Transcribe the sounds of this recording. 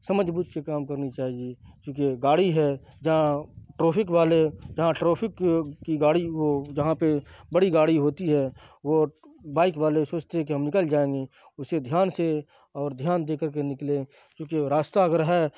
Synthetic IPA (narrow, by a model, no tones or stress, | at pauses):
sɐməd͡ʒbuːt̪kekaːmkəɾnit͡ʃaːɦiet͡ʃũːkeɡaːɽiɦɛ | d͡ʒɐɦãʈɾoːpʰɪk̬ʋaːled͡ʒɐɦãʈɾoːpʰɪkkːiɡaːɽiod͡ʒɐɦãpebəɽiɡaːɽiɦoːt̪iɦɛʋo | baːɪkʋaːlesoːt͡ʃt̪eɦɛ̃kiɦɐmnɪkəld͡ʒaːẽːŋɡe | ʊsːed̪ʱjaːnse | ɔːɾd̪ʱjaːnd̪eːkəɾk̬enɪkle | t͡ʃõːkeɾaːst̪aɡəɾɦɛ